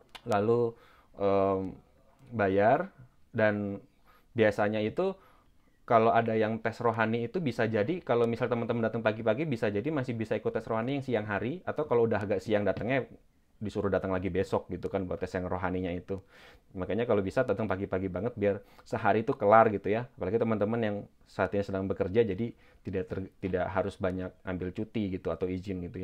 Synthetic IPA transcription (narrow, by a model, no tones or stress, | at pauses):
lalu | ʔəːm | bajar | dan | biasaɲait̪u | kaloadajaŋt̪ɛsroɦaniːt̪ubisad͡ʒadikalomisalt̪əmənt̪əməndat̪əŋpaɡipaɡibisad͡ʒadimasɪhbisaikʊt̪ːɛsroɦanijaŋsiaŋɦaɾiat̪awkaloudaɦaɡaʔsiaŋdat̪əŋɲa | disuɾʊhdat̪əŋlaɡibesɔk̚ɡit̪ukanbuat̪ːɛsjaŋroɦaniɲait̪umakaɲakalobisat̪dat̪əŋpaɡipaɡibaŋət̪̚biarsəɦaɾit̪ukəlarɡit̪ujaːpalaɡit̪əmənt̪əmənjaŋ | saat̪iɲasədaŋbəkərd͡ʒad͡ʒadi | t̪idaʔt̪ərt̪idaʔɦaɾʊsbaɲak̚ambɪlt͡ʃut̪iɡit̪uat̪awid͡ʒɪnɡit̪uja